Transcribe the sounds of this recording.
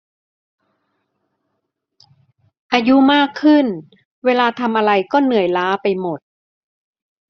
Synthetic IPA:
ʔaː˧ju˦˥maː˥˩kʰːɯ˥˩n | weː˧laː˧t̪ʰa˧mʔa˧ɾa˧jkɔː˥˩nɯ˨˩əjlaː˦˥pa˧jmo˨˩t̪̚

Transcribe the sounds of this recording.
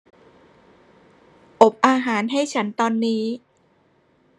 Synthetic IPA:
ʔo˨˩p̚ʔaː˧ɦaː˩˦nɦa˥˩jt͡ɕʰa˦˥nt̪ɔː˧nːiː˦˥

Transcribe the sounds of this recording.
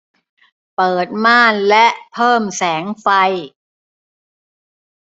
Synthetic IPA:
pɤː˨˩t̪̚maː˥˩nlɛ˦˥ʔpʰɤː˥˩msɛː˩˦ŋfa˧j

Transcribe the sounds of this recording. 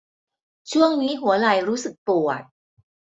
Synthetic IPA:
t͡ɕwɔ˥ŋni˧˥ɦwɔ˧˦la˧˩˦jɾu˨˦˥sɨ˨˩k̚puɔ˨˩ə˨˩t̚

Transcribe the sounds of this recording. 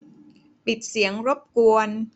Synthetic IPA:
pi˨˩t̪̚si˩˦əŋɾo˦˥p̚ku˧ən

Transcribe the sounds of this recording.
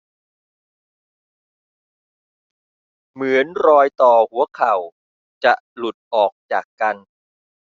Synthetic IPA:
mɯ˩˦ənɾɔː˧jt̪ɔː˨˩hu˩˦ɐkʰa˨˩w | t͡ɕa˨˩ʔlu˨˩t̪̚ʔɔː˨˩k̚t͡ɕaː˨˩kːa˧n

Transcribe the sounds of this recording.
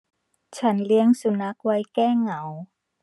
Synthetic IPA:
t͡ɕʰa˦˥nli˦˥əŋsu˧˩na˦˥k̚wa˦˥jkɛː˥˩ŋa˨˩˦w

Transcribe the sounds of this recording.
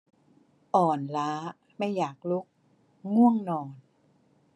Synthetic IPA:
ʔɔː˨˩nlaː˦˥ | ma˥˩jːaː˨˩k̚lu˦˥k̚ | ŋu˥˩əŋnɔː˨˩n

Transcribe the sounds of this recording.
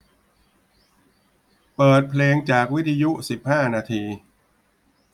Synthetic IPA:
pɤː˨˩t̪̚pʰleː˧ŋt͡ɕaː˨˩k̚wt̪ʰːa˧ju˦˥si˨˩p̚haː˥˩naː˧t̪ʰiː˧

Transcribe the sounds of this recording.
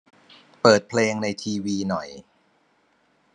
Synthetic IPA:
pɤː˨˩t̪̚pʰleː˧ŋna˧jt̪ʰiː˧wiː˧nɔ˨˩j

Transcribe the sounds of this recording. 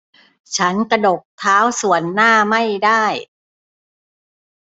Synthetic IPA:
t͡ɕʰa˦˥nka˧do˨˩k̚t̪ʰaː˦˥wsu˨˩ənːaː˥˩ma˥˩jdaː˥˩j

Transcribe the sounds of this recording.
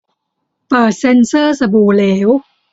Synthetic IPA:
pɤː˨˩t̪̚se˧nsɤː˥˩sa˧buː˨˩leː˩˦˥w

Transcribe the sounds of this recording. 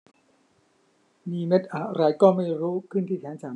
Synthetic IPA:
niː˧me˦˥t̪̚ʔaː˨˩ɾa˧jkɔː˥˩ma˥˩jɾuː˦˥kʰɯ˥˩nt̪ʰiː˥˩t̪ʰɛː˦˥nsaː˨˩˦

